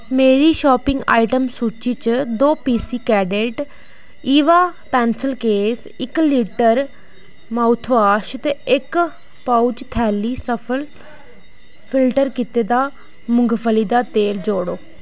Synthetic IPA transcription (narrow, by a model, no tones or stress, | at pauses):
meːɾiːʃɔːpɪ̃ŋɡa̰ːiʈəmsuːt͡ʃiːt͡ʃd̪oːpiːsiːkɛːɖeʈ | iːʋaːpɛːnsəlkeːs | ɪkliːʈəɾ | maːʊt̪ʰʋaːʃt̪eɪk | paut͡ʃt̪ʰɛːliːsəpʰəl | pʰɪlʈəɾkit̪eːd̪aː | mʊŋɡpʰəliːd̪aːt̪eːld͡ʒoːɽoː